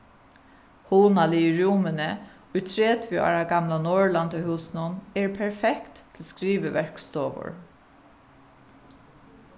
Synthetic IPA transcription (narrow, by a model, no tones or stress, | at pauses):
huːnalɪɪɹuːmənə | ʊjt̪ʰɹeːt̪ʰvʏa̰ːɹaɡamlanɔɹlant̪əhuːsɪnʊnɛɹpʰɛɹfɛkt̪ːʰɪlskɾiːʋəʋɛɹ̥kst̪ɔːʋʊ̰ɹ